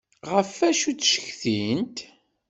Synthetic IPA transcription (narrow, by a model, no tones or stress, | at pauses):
ʁəfæʃut͡sːʃə̥çθint̪